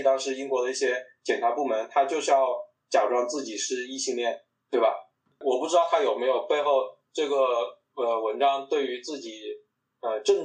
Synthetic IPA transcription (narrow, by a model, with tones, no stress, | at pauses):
t̪ɑ˥˧ŋʂɻ̩˥˩i˥ŋkwɔ˧˥d̪ə˧i˥˩ɕjɛ˥t͡ɕjɛ˨˩nʈ͡ʂʰa˧˥pu˥˩mə˧˥nt̪ʰa˥t͡ɕjo˥˧ʊʂɻ̩˥˧jɑ˥˩ʊ | t͡ɕjɑ˨˩ʊʈ͡ʂɑ˥˧ŋt͡sɹ̩˥˩t͡ɕi˨˩ʂɻ̩˥˧i˥˧ɕi˥˧ljɛ˥˩n | t̪we˥˩ɪbɐ˩ | wɔ˨˩pu˥˩ʈ͡ʂɻ̩˥ɑ˥˩ʊt̪ʰa˥jo˨˩ʊme˧˥ɪjo˨˩ʊpe˥˧ɪxo˥˧ʊ | ʈ͡ʂɤ˥˩ɡə˩ | ə˧wə˧˥nʈ͡ʂɑ˥ŋt̪we˥˩ɪy˧˥t͡sɹ̩˥˩t͡ɕi˨˩˦ | ə˧ʈ͡ʂɤ˥˩ŋ